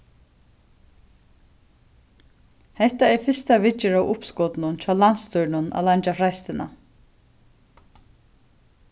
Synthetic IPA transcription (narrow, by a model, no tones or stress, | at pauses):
hɛht̪aɛɾfɪst̪avɪt͡ʃːɪɾawʔʊpskɔːt̪ɪnʊnt͡ʃʰaːlanst̪ʏɾnʊna̰laɲt͡ʃafɾajst̪ɪna̰